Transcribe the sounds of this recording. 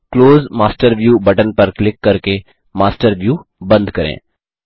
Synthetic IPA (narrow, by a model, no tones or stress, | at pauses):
kloːzmaːsʈəɾʋjuːbɐʈənpɐɾklɪkːɐɾke | maːsʈəɾʋjuːbɐ̃nd̪kɐɾḛ̃ː